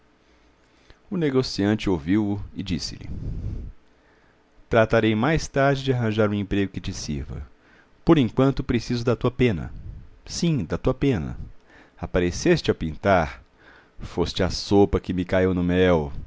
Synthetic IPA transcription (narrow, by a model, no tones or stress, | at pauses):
ʊneɡosiɐ̃nt͡ʃɪowviwʊɪd͡ʒisɪ̰lɪ̰ | t̪ɾat̪aɾejmajst̪aɾd͡ʒɪd͡ʒɪaɦɐ̃ʒaɾũẽmpɾeɡʊkɪt͡ʃɪsḭɾvɐ̰ | poɾẽŋkwɐ̃nt̪ʊpɾesizʊd̪at̪uɐpẽnɐ̰sĩd̪at̪uɐpẽnɐ̰ | apaɾesest͡ʃɪapĩnt̪aɾ | fost͡ʃɪasopɐkɪmɪkaiwnʊmɛw